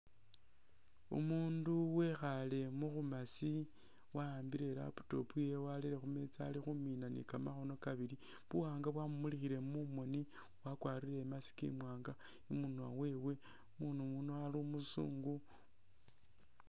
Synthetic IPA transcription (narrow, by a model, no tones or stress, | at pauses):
ṵmuːnduwexale̞muxumasi | waaːmbiɾe̞la̰pu̥to̞̰pujewalile̞xumet͡sa̰lixuminanḭkamaxo̞no̞kaβili | βuwaːŋɡaβwamumulixiɾe̞mumo̞ni | wakwaːɾile̞masi̥kḭmwaːŋɡa | imuna̰we̞we̞ | munumunoalumusṵːŋɡu